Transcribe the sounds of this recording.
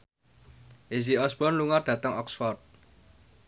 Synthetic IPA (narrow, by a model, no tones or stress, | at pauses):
ʔeziɔsb̥ɔnluŋard̥ä̤t̪əŋɔksfɔrt̪̚